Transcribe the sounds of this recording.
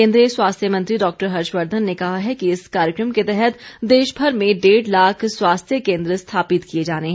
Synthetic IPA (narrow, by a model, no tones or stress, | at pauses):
ẽːnd̪ɾiəswaːst̪ʰjəmɐ̃nt̪ɾiɖɔːk̚ʈəɾɦɐɾʃʋəɾd̪ʱənːekɐɦaɦɛkiɪskaːɾjəkɾəmket̪ɛɦɛt̪d̪eːʃbʱɐɾmẽɖeːɖlaːkʰswaːst̪ʰjəkẽːnd̪ɾəst̪ʰaːpɪt̪kied͡ʒaːneɦɛ̃